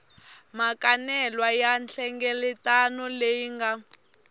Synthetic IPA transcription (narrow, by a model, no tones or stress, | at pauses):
makanɛlwajanɬɛŋɡɛlɛtanɔlejiŋɡa